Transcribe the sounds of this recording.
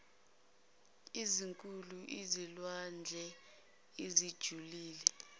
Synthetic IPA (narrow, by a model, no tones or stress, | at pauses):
iziŋkʼuluʔizilwand͡ɮʱɛ | izid̥ʒ̥ʱuliːlɛ